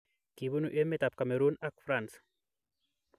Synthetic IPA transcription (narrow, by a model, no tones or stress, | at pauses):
kiβunuʔemet̪ap̚kameɾunakfɾans